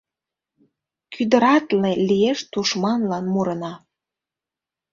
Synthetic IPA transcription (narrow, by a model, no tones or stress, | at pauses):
kʰyd̪əɾɑt̪lelʲijeʃt̪uʃmɑnlɑnmuɾənɑ